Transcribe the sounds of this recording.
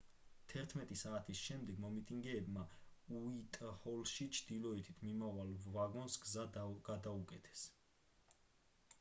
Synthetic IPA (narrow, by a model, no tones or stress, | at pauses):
t̪ʰɛɾt̪ʰmɛt̪ʼisaːt̪ʰisʃɛmd̪ɛɡmɔmit̪ʼiŋɡɛːbmauit̪ʼhɔlʃit͡ʃʰd̪̥ilɔit̪ʰit̪ʰmimavalvaɡɔnsɡzaɡ̥ad̪aukʼɛt̪ʰɛ̥s